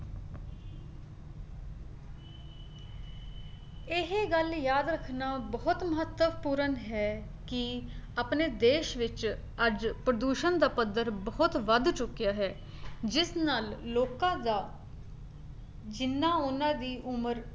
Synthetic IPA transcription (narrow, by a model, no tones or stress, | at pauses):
ɪɦeɡəljaːd̪ɾəkʰnaːbəːʊt̪məɦət̪ːəʋpuːɾənɦɛː | kɪəpneːd̪eːʃʋɪt͡ʃ | əd͡ʒpɾəd̪uːʃənd̪aːpəd̪əɾbəːʊt̪ʋəd̪t͡ʃʊkːɪjaːɦɛː | d͡ʒɪsnaːlloːkãːd̪aː | d͡ʒɪnːãːʊnãːd̪iːʔʊməɾ